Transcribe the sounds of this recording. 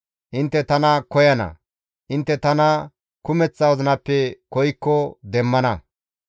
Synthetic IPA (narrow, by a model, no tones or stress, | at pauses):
ʔɪnt̪ːɛt̪ɐnɐkɔjɐnɐ̰ | ʔɪnt̪ːɛt̪ɐnɐ | kʊmɛt͡sːɐwɔzɐnɐpːɛkɔjkːɔd̪ɛmːɐnɐ